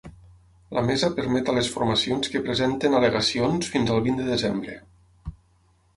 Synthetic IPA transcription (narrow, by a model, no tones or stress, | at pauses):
lʔamɛzapəɾmɛt̪alesfuɾmasionskəpɾezent̪enaleɣasionsfinzəlˠβind̪əðəzembɾə